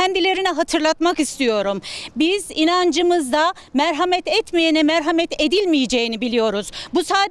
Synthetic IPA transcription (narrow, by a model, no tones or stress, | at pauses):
ænd̪ilʲe̞ɾinɛɦat̪ʰɯɾlˠat̪makist̪ʰijo̞ɾumbizinand͡ʒɯmɯzd̪a | mæɾɦamɛt̪ɛt̪mijenɛmæɾɦamɛt̪e̞d̪ilʲmijed͡ʒejinibilʲijo̞ɾuz̥busaːd̪